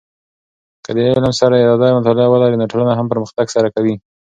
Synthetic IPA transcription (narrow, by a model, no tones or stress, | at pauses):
kəd̪əelamsaɾajed̪ɑd̪ɑjmat̪ɑlɪɑwəlɑɾinoʈolunaɦampəɾməxt̪aɡsaɾakawi